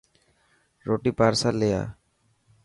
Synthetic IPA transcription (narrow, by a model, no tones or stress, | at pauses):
ɾoːʈiːpaːɾsaːleːja̰ː